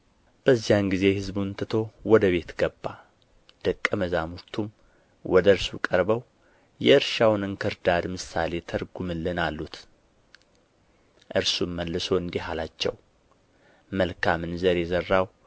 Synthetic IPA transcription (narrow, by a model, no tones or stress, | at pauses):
b̥əzːijanɡize̞hɨzbunt̪ʰɨt̪ʰo̞wɔd̪əβe̞t̪ɡəbːa | d̪̥əkʼːəməzamuɾt̪ʰum | wɔd̪əɾsukʼəɾbəw | jɛɨɾʃawnɨnkʰɨɾd̪ad̪mɨsale̞t̪ʰəɾɡumɨlːɨnalːut̪ | ʔɨɾsuməlːɨso̞ɨnd̪iɦalat͡ʃːɛ̰w | məlkʰamɨnzəɾjɛzərːaw